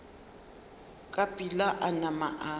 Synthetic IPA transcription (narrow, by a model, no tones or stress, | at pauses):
kʼapʼilaʔanama̰ʔa